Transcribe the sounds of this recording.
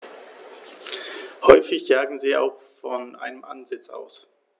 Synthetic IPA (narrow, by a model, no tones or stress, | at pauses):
hɔʏfɪçjaːɡŋ̩ziːʔa̰ʊxfɔnʔa̰ɪnəmʔa̰nzɪt͡sa̰ʊs